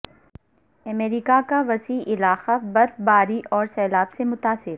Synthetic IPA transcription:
ɐmeːɾiːkakaʋɐsiːʔɪlaːxabɐɾfbaːɾiʔɔːɾsɛːlaːbsemʊt̪aːsɪɾ

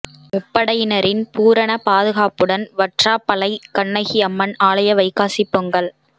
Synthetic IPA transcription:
mʊpːɐɽɐjɪnɐɾɪnpuːɾɐnɐpaːðɯɣaːpɯɽɐnʋɐʈraːpɐlɐɪkɐɳːɐɪɣɪɐmːɐnaːɭɐjɐʋɐɪkaːsɪpːɯŋɡɐɭ

